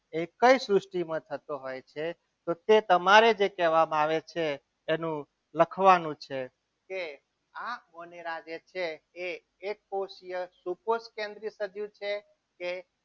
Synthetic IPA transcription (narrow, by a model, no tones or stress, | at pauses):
ekəisɾʊsʈimə̃t̪ʰət̪oɦojt͡ʃʰe | t̪ot̪et̪əmaɾed͡ʒekɛʋamaʋet͡ʃʰeː | nũ | ləkʰʋanũt͡ʃʰe | ke | amoneɾad͡ʒet͡ʃʰeeː | k̚poʃijəsuposkẽnd̪ɾisəd͡ʒjũt͡ʃʰe | ke